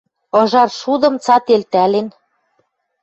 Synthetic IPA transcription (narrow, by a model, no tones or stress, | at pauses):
ɤ̆ʒɑrʃud̪ɤ̆mt͡sɑt̪elt̪ælen